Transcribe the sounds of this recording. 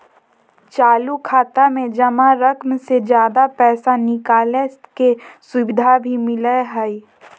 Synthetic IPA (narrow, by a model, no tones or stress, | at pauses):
t͡ʃaːlukʰaːt̪amẽd͡ʒɐmaɾəkʰmsed͡ʒjaːd̪apɛːsanɪkaːleskesʊʋɪd̪ʱabʱimɪləɦəi